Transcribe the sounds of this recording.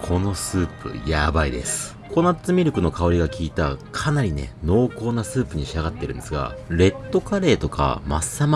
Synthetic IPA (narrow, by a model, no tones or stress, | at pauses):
kʰo̞no̞sɨːpɯ̟̰jabaid̪e̞̰sɨ̥ | kʰo̞nat͡sɨmʲiɾɯ̟kɯ̟no̞kao̞ɾʲiɡakʲiːt̪akʰanaɾʲine̞̰no̞ːko̞ːnasɨːpɯ̟ɲ̟iɕiaɡat̪ːe̞ɾɯ̟̃nd̪esɨɡa̰ɾe̞t̪ːo̞kaɾe̞ːt̪o̞ka̰masːam